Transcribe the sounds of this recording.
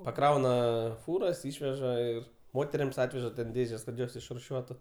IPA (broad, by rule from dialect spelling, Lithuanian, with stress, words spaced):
pɐˈkrɐʊnɐ ˈfuːrɐs ˈɪʃʲʋʲɛʒɐ ɪr ˈmoːtʲɛrʲɪms ˈɑːtʲʋʲɛʒɐ tʲɛn ˈdʲeːʒʲɛs kɐt ˈjoːs ɪʃrʊˈʃʲuɔtʊ